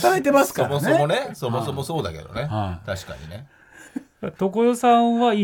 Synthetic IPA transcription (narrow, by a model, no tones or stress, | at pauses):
aɾet̪e̞masɨ̥kmosomo̞neso̞mo̞so̞moso̞ːd̪ake̞d̪o̞̰net̪aɕi̥ka̰ɲ̟ḭne̞ | t̪okojosãβai